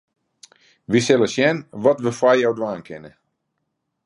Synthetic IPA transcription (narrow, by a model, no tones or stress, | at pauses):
ʋisɪlˠəsjɛnʋɔtʋəfwajjawdwaːnkʰɪnə